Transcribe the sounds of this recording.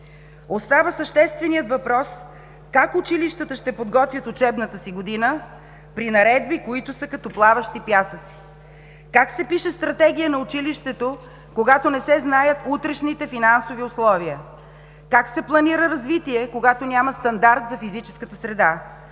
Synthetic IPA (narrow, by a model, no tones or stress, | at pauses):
ot̪st̪avəsəʃt̪ɛst̪vɛnijət̪vɐpɾɔs | kakʊt͡ʃiliʃt̪ət̪əʃt̪ɛpod̪ɡɔt̪vʲjət̪ʊt͡ʃɛbnət̪əsiɡod̪inə | pɾinɐɾɛd̪bikoit̪ʊsəkɐt̪ɔplˠavəʃt̪ipjasət̪si̥ | kaksɛpiʃɛst̪ɾɐt̪ɛɡ̟ijənɐʊt͡ʃiliʃt̪ɛt̪o | koɡat̪onɛsɛznajət̪ut̪ɾɛʃnit̪ɛfinansoviʊslˠɔviə | kaksɛplˠɐniɾəɾɐzvit̪iɛkoɡat̪onʲaməst̪ɐnd̪aɾt̪zɐfizit͡ʃɛ̥skət̪əsɾɛd̪a